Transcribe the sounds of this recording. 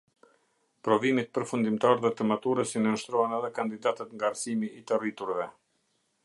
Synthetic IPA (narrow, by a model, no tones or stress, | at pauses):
pɾɔvimit̪̚pəɾfund̪imt̪aɾðɛt̪əmat̪uɾəsinəʃt̪ɾɔanɛðɛkand̪id̪at̪ət̪ŋɡaːɾsimiːt̪ərit̪uɾvɛ